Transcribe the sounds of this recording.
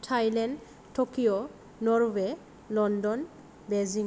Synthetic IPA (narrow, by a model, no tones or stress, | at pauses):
tʰajlɛn | tʰokijɔ | nɔɹwɛ | lɔndɔn | bɛzi